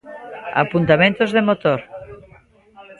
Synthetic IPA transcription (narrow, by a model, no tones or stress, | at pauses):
a̰punt̪amẽnt̪ozðemot̪oɾ